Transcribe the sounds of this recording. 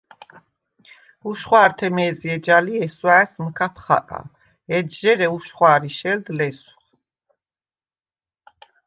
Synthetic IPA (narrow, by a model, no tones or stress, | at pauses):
uʃχwaːɾt̪ʰɛmɛːziɛd͡ʒaliɛswaɛsmkʰapʰχa̰kʼa̰ | ɛd͡ʒʒɛɾɛuʃχwaːɾiʃɛld̪lɛsu̥χ